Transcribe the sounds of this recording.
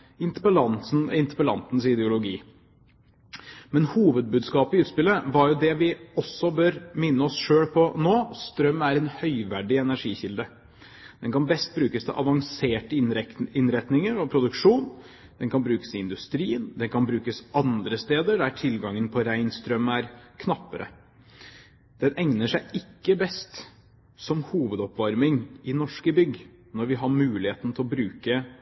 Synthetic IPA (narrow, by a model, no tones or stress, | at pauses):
ɪnt̪əpəlɑnsnɪnt̪əpəlɑ̰nt̪n̩sɪd̪ɛʊlʊɡiː | mɛnhuːʋəd̪̚bʉːd̪skɑːpɪʉːt̪spɪlːəʋɑɾjʊd̪ɛʋɪɔsːɔbøːɾmɪnːəɔsʂøːɽpʰɔnoːst̪ɾœmæɾɛnhœʏʋæɖɪɛnæʂiːçɪld̪ə | d̪̥ɛnkʰɑnbɛst̪̚bɾʉːkəst̪ʰɛ̰ʔɑ̰ʋɑŋseːʈəɪnɾɛt̪nɪŋəɾɔpʰɾʊd̪ʉkʂuːn | d̪̥ɛnkʰɑnbɾʉːkə̥sɪɪnd̪ʉst̪ɾiːənd̪ɛnkʰɑnbɾʉːkəsɑnd̪ɾəst̪eːd̪əɖ̪æʈʰɪlɡɑŋːənpʰɔɾæɪnst̪ɾœmːæɾkʰnɑpːəɾʔə̰ | d̪̥ɛnʔɛŋnəʂæɪɪkːəbɛst̪ | sɔmhuːʋəd̪ɔpʋɑɾmɪŋɪnɔʂkəbʏɡ | nɔɾʋɪɦɑɾmʉːlɪheːt̪n̩t̪ʰɪlɔbɾʉːkə